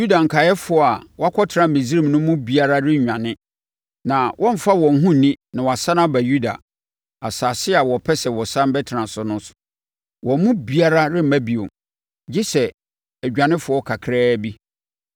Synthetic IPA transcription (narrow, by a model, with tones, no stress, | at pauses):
ju˦da˨ŋ̩˨kʰa˨jɛ˦fʊ˨˦ɔ˨a˨wɔ˦a˦kʷʰɔ˦tʰɪ˨ɾã˨be˨zi˦ĩ˦mnʊ̃˦mũ˦bi˦a˨ɾa˦ɾɪ˦ɲ˨ɲᶣã˨nɪ̃˦ | nã˨wʔɔ̃˦m̩˨fa˦wɔ̃˨ŋ̩˦ɦũ˦˨nĩ˦nã˨wɔ˨a˨sa˦nã˦ba˨ju˦da̰˨ | a˨saː˨sɪ˦a˨wɔ˨pʰɛ˦sɛ˨wɔ˨sã˦m˦bɛ˦tʰɪ˨ɾã˨sʊ˨nʊ̃˦n˦sʊ̥˨ | wɔ̃˨˦mũ˦bi˦a˦ɾa˦ɾɪ˦m̩˨˦mæ˦bi˨ʊ̰̃˨m | d͡ʑi˦sɛ˨ | æ˨d͡ʑᶣã˨nɪ̃˦fʊ˨ɔ˦kʰa˨kʰɾɛː˦bi˦